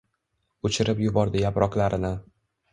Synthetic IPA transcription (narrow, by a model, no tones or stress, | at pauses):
ot͡ʃʰɪɾɪpjʊbɒɾd̪ɪjapɾɒqlaɾɪnɪ